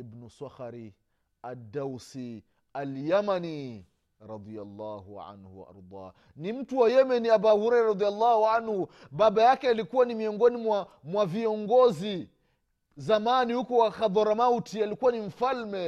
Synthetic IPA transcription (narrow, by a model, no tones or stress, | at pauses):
ibnusaxaɾi | adːawsi | aljamani | ɾɑd̪ˤialːahṵʕa̰nhṵwa̰ʔa̰ɾd̪ˤɑ̰ː | nim̩tuwajɛmɛniabahuɾɛjɾaɾɑd̪ijalːaːhuʕanhu | babajakɛalikuwanimiɔŋɡɔnimwamwaviɔŋɡɔzi | zamanihukɔwaxad̪ɔɾamawtialikuwanim̩falmɛ